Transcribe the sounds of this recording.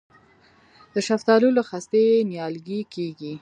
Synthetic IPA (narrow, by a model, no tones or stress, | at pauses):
d̪əʃaft̪ɑluloxast̪enjɑlɡikeɡi